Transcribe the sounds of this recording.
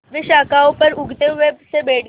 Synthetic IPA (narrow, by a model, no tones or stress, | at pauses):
ʋiɕakawpəɾuɡʱt̪eʋebsebeɽ